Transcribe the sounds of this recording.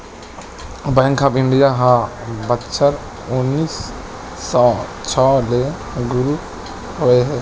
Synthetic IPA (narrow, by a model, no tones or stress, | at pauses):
bãŋkʰapinɖijaɦãbətːt͡ʃʰəɾ | unːisː | ɔt͡ʃʰɔle | ɡuɾu | hoeɦɛ